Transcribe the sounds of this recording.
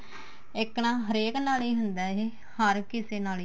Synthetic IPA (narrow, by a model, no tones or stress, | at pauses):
ɪknaːɦəɾeːknaːliːɦʊnd̪aːeː | həɾkɪseːnaːliː